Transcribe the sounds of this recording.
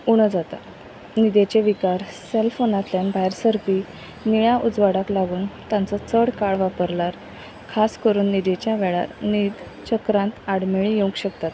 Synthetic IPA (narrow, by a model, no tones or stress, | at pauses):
uɽ̃əd͡zat̪a̰ | nid̪et͡ɕeʋikaɾselfonat̪ljanbaɦjɾsəɾpiː | niɭãʔud͡zʋaɽaklaɡuːnt̪ãnt͡sɔt͡səɽkaɽʋapəɾlaɾ | kʰaskəɾuːnːid̪et͡ɕjaʋɛɭa̰ɾnid̪ | t͡ɕəkɾãnt̪aɽmeɭijũŋkɕəkt̪at̪